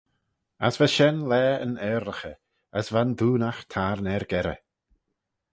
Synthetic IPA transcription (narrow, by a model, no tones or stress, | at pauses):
a̰svaʃɛnlɛːə̰nɛːɾəxə | əsvanðuːnaxtʰaːɾnɛɾɡɛɾə̰